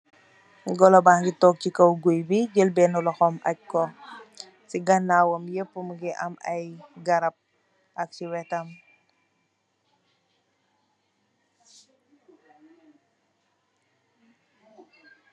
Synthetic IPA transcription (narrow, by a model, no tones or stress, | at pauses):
ɡɔlɔbaŋɡitɔk̚cikɐwɡujbiɟəlbɛnulɔxɔmɐ̰c̚kɔ | siɡɐnːaːwɐmjəpːəmɡiʔɐ̰mɐjɡɐɾɐp̚ | ʔɐk̚siwɛtɐm